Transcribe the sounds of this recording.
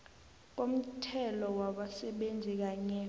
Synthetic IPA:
k̬om̩tʰɛlɔwaɓasɛɓend͡zʱik̬aɲɛ

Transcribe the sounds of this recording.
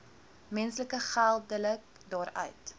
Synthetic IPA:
mɛnsləkəχælˠdələk̚ | dɑːɾœ̰ɥt

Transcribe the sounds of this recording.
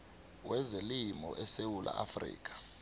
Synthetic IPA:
wɛzelimɔ̰ʔɛsewulʔa̰ʔafrḭːk̬ʼḁ

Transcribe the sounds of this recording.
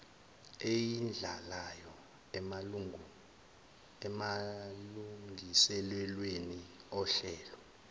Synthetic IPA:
ejind͡ɮʱalajɔ | maluŋisɛlwɛlweniɔɬɛːlɔ

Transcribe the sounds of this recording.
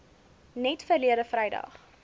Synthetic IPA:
nɛtfərliədəfrɛjdɐ̰χ

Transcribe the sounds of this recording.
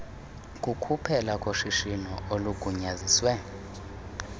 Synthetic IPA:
kʼukʰupʰɛlakʼoʃiʃinɔoluɡ̥ʱuɲaziswɛ

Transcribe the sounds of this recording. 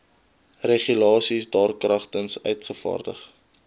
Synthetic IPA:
reχylɑːsisdɑːrkrɐχtənsœ̰ɥtχəfɑ̰ːrdə̰χ

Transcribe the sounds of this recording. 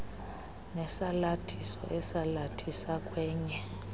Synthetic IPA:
nɛsalatʰisɔ̰ʔɛsalatʰisakʼwɛːɲɛ

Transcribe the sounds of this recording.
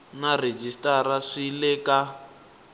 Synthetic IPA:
nared͡ʒistaɾaʂilɛːka

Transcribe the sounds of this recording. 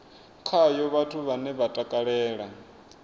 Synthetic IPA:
kʰajɔβatʰuβanɛβatʼakʼaɺɛːɺa

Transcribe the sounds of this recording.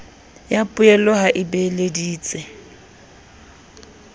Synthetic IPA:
japʼʊɛlɔɦaʔɪbelediːt͡sʼɛ

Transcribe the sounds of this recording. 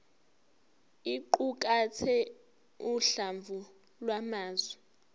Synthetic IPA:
iǃuk̬ʼatʰɛ | uɬaɱvu | lwamaːzwɛ

